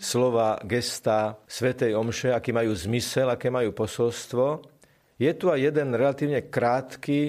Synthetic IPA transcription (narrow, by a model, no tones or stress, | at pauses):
slɔʋaːɡɛst̪asʋɛt̪ɛjɔmʃɛakiːmajuːzmisɛlakɛːmajuːpɔsɔlst̪ʋɔ | jɛt̪uajjɛd̪ɛnɾɛlat̪iːʊɲɛkɾaːt̪kiː